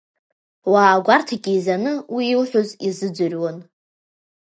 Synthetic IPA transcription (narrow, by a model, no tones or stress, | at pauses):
waːɡʷartʰakʲʼizanɨwiilħʷᶣʊzizɨd͡zɨrʲwan